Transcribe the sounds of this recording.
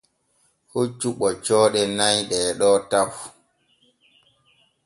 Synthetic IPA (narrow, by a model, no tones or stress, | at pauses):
hot͡ʃːuɓɔt͡ʃɔːɗɛnajɗɛɗɔtaf